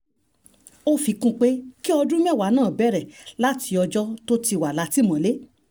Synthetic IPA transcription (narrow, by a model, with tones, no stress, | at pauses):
o˦fi˧kũ˦k͡pe˦ki˦ɔ˧dũ˦m˦ɛ̃˦˨wa˨˦nãː˦˨bɛ˨˦˨ɾɛ˨la˦ti˧ɔ˧d͡ʒɔ˦to˦ti˧wa˨la˨˧˦ti˦mã˨le˦